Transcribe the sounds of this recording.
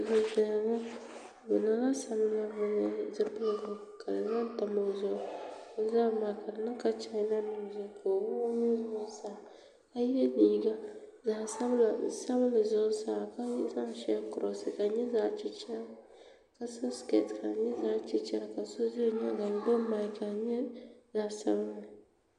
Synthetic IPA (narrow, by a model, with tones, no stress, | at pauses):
bʊ˨zɛ˨la˨˦ŋa˦ | bɛ˨na˦la˦sa˨m˦la˦bʊ˨n˨zɨ˦pɨ˦lɡʊ˨ka˨dɨ˨nɨ˦n˦ta˨mo˨zʊ˦ʔʊ˦o˦za˦˨ma˨ka˨dɨ˨nɨ˦ka˦t͡ʃa˨˦na˦nɨ˨m˨zʊ˨kʰo˨wʊ˦ɲi˦zʊ˦ʊ˦saː˦˨ | ka˦jɛ˦niː˦ɡa˦zaː˨sa˦bla˨˦˨sa˦βɨ˦lɨ˨zʊ˦saː˦˨ka˦ɛ˦za˦ŋ˨˦ʃɛ˦ŋ˦kʊ˨ɾɔ˨sɨ˨ka˨ɲɛ˦zaː˦t͡ʃɛ˦t͡ʃa˦ | ka˨so˦ske˦˨tka˨ɲɛ˦zaː˦t͡ʃɪ˦t͡ʃɛ˦ɾa˨ka˨so˦zɪ˦ɲa˦ɡa˨n˦do˦ma˦i˦ka˨ɲɛ˦zaː˨˦sa˦βɨ˦nɨ˨